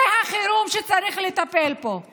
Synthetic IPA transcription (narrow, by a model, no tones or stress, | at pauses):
ehaχiɾumʃet͡saɾiχlet̪apelpo̞